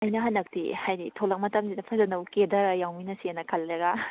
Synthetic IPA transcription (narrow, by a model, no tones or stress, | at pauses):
ɐjnɐɦɐnːɐk̚tḭhajditʰolɐk̚mɐtʰɐmsidɐpʰazɐnɐwkedɐɾɐjawminɐsienɐkʰɐlɾeɡa